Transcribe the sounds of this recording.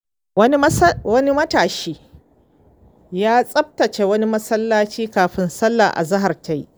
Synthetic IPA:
wɐ˦ni˦mɐ˦taː˨ʃiː˦ | jaː˦sʼɐ˦b̚tɐ˨t͡ʃe˨wɐ˦ni˦mɐ˦sɐ˦lːaː˦t͡ʃiː˦kaː˨ɸɪ˦nsɐ˦lːa̰ː˨ʔa̰˨zɐ˦ɦa˨rta˦j

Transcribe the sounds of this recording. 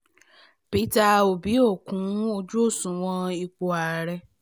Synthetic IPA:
pi˦ta˧o˨bi˨˦o˦˨kũ˨˦o˧d͡ʒu˦o˦˨sũ˨˦w̃ɔ̃˧i˧k͡po˨˧a˨ɾɛ˧

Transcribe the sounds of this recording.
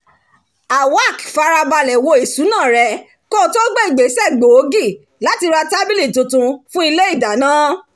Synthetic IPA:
a˨wa˦˨kfa˧ɾa˧ba˧lɛ˨wo˧i˨su˨˦nãː˦˨ɾɛ˧ | ko˦˨˧to˦ɡ͡be˦i˨ɡ͡be˨˦sɛ˦˨ɡ͡bo˨o˦ɡi˦˨ | la˨˦ti˧ɾa˧ta˦bi˦li˦˨tõ˨tũ˧fũ˦i˧le˦i˦˨da˨nãː˦

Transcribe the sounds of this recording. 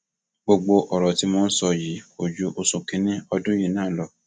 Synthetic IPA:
ɡ͡bo˧ɡ͡bo˧ʔɔ˨ɾɔ˨ti˨˦mɔ̃˧n̩˦sɔ˧ji˨˦o˨d͡ʒu˧˦ʔo˧sũ˨kĩ˧˦nĩ˦ɔ˧dũ˦ji˨˧˦nãː˦lɔ˨

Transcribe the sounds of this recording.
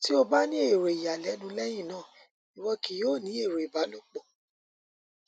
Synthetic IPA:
ti˦o˧ba˦nĩ˦e˦˨ɾo˨i˨ja˨lɛ˨˦nũ˧˦lɛ˦j̃ĩ˦˨nãː˦˨ | i˨wɔ˧ki˨joː˦˨nĩ˨˦e˦˨ɾo˨i˨ba˨˦lo˦˨k͡po˨

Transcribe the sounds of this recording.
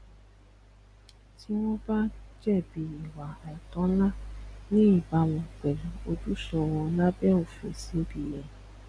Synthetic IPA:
ti˦w̃ɔ̃˦ba˦d͡ʒɛ˦˨bi˧˦i˨wa˨ɛ˨tɔ̃˨˦la˦˨nĩ˦i˦˨ba˨˦w̃ɔ̃˧k͡pɛ˨lũ˨o˧du˦ʃɔ˧wɔ̃˧la˦bɛ˦˨o˨fḛ˨se˨˦bi˦˨jɛ˨

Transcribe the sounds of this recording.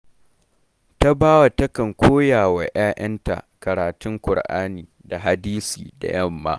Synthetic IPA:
ta˦baː˦wa˨tɐ˦kɐ˨ŋkʷʰoː˦jaː˨wa˨j̰aː˦ʔɐ˦nta̰˨kɐ˨ɾaː˨tʊ˦ŋkʷʊ˨ɽʔa̰ː˦niː˨da˨ɦa˨diː˦sḭː˨da̰˨jɐ˦˨mːa̰ː˦

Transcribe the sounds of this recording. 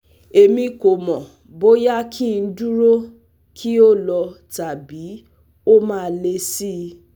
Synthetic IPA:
e˨mĩ˧ko˨mɔ̃˨ | bo˦ja˦kʰĩ˦˨˧n̩˦du˦ɾo˦ | kʰi˦o˦lɔ˧ta˨bi˨˦ | o˦mãː˦˧˦le˧si˦˧

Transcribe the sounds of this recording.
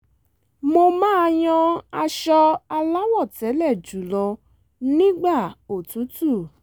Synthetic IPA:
mo˧mãː˦˧j̃ɔ̃˧a˧ʃɔ˧a˧la˦wɔ˦˨tɛ˨˦lɛ˦˨d͡ʒu˨˦lɔ˧ | nĩ˦ɡ͡ba˦˨o˨tu˨˦tu˦˨

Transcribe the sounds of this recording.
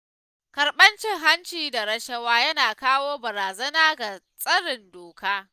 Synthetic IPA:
kɐ˨ɾɓɐ˦nt͡ʃɪ˦ŋɦa˦nt͡ʃiː˨da˨ɾɐ˦ʃɐ˦waː˦jɐ˦naː˨kaː˦woː˦bɐ˨ɾaː˨zɐ˦naː˦ɡa˨ | sʼɐ˦ɽɪ˨ndoː˨kaː˦

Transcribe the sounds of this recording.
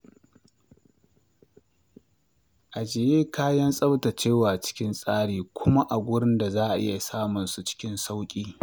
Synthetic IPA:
ʔa˨d͡ʒɪ˨jeː˦kaː˦jɐ˦nsʼɐ˦bta˨t͡ʃeː˦˨waː˨t͡ʃɪ̥˦kʲɪ˦nsʼaː˦ɽiː˨kʷʰʊ˦ma˦ʔa˨ɡʷʊ˦ɽɪ˦nda˨zaː˦ʔa˨ʔɪ̰˦ja˨saː˦mʊ˨nsu˨t͡ʃɪ̥˦kʲɪ˦nsa˦wkʲʼiː˦

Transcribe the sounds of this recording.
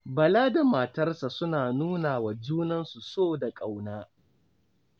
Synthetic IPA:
bɐ˨laː˦da˨ma˨tɐ˦rsa˨sʊ˦naː˨nuː˦naː˨wa˨d͡ʒuː˦nɐ˦nsu˨soː˦˨da˨kʼa˨wnaː˦

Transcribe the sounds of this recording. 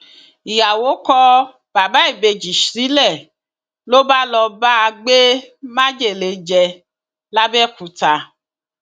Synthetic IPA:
i˨ja˨wo˨˦kɔ˦ | b̥a˨ba˦i˦˨be˧d͡ʒi˨ʃɾi˨˦lɛ˦˨ | lo˦ba˦lɔ˧ba˦˧ɡ͡be˦mã˦d͡ʒe˦˨le˨˦d͡ʒɛ˧ | la˦bɛ˦˨ku˨ta˧

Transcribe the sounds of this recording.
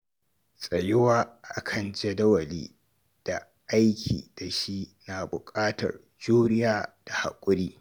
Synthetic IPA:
sʼɐ˨jɪ˦waː˦ʔa̰˦kʰɐ˨nd͡ʒɛ˦dɐ˦wɐ˨liː˦ | d̥a˨ | ʔa˦jkʲʰḭː˨d̥a˨ʃi˦na˨bʊ˨kʼaː˦tɐ̰˨r | d͡ʒuː˦ɽɪ˦jaː˦d̥a˨ha̰˨kʷʼʊ˦ɾiː˦

